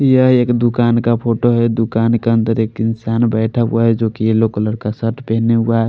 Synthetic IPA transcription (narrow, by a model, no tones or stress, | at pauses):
jəɦieːkd̪ukaːnkapʰoʈoɦɛd̪ukankeənd̪əɾekinsanbəɪʈʰa̰aɦɛd͡ʒokielokləɽkasəʈpɛɦneɦuaɦɛ